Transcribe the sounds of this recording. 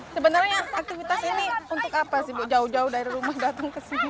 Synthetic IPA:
səbənarɲaak̚t̪ifit̪asiniunt̪ʊkapasibd͡ʒaʊhd͡ʒaʊdaiɾrumahdat̪aŋkəsini

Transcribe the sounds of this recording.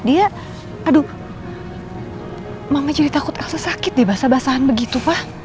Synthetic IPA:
dia | adu | maŋad͡ʒudit̪akʊt̪ɛksasakɪt̪̚diabaasabaasaɦanbəɡit̪upah

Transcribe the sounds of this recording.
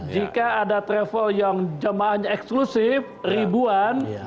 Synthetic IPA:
d͡ʒikaːdat̪ɾɛfəljaŋd͡ʒəmaaɲaɛksklusɪfribuan

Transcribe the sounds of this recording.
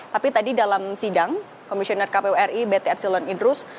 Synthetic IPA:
t̪apit̪adidalamsidaŋ | kɔmisiɔnɛrkapeuɛribet̪eɛp̚silɔnindɾʊs

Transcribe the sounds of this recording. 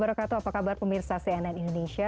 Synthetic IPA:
baɾakat̪oapakabarpəmirsasɛɛnɛnindoneʃia

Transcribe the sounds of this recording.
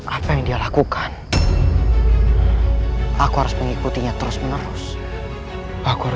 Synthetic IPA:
ʔapajaŋdialakukan | ʔakuɦaɾʊsməŋikut̪iɲat̪əɾʊsmənəɾʊs | akua

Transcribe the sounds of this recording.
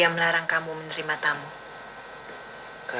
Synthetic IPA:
amlaɾaŋkamumənəɾimat̪amu | k

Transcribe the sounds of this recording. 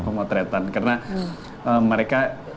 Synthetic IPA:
pəmat̪ɾɛt̪ankarna | əməɾeka

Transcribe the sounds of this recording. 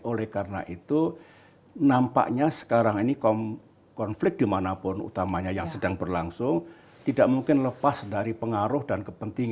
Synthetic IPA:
olɛhkaɾəna̰ʔit̪u | nampa̰ʔɲasə̥kaɾaŋinikɔm | kɔnflɪk̚d̥imanapʊnṵt̪amaɲajaŋsədaŋbərlaŋsʊŋ | t̪idaʔmuŋkɪnləpasdaɾipəŋaɾʊhdankəpənt̪iŋ

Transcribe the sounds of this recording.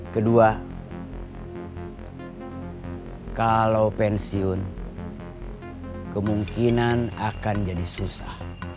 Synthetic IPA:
kədua | kalaupɛnsiʊn | kəmuŋkinanakand͡ʒadisusah

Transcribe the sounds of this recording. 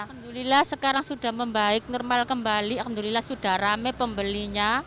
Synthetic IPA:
kənd̪ulilahsəkaɾaŋsuɖ̥a̤hməmbaɪk̚nɔrmalkəmbalikənd̪ulilahsuɖ̥a̤hramepəmbəliɲa

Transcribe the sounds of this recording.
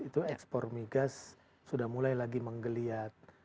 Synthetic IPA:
it̪uɛkspɔrmiɡasː | udahmulajlaɡiməŋɡəliat̪̚

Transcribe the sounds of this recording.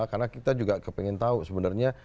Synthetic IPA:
karnakit̪ad͡ʒuɡakəpɛŋɛnt̪ausəbənərɲa

